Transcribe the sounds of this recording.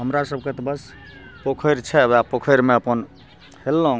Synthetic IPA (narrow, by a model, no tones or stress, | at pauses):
ɦəmɾasəb̚ket̪ɔbəs | pokʰəjɾt͡ʃʰɛbapokʰəjɾmeəpən | helːoɦũ